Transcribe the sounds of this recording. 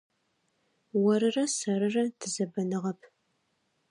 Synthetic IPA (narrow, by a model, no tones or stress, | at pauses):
wɐɾɨrɐsɐɾɨrɐtʰɨzɐbɐnɨʁɐpʰ